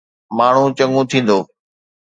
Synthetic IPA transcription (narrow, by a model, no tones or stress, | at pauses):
maːɳ̤ũt͡ɕɐ̃ŋũt̪ʰĩːn̆d̪oː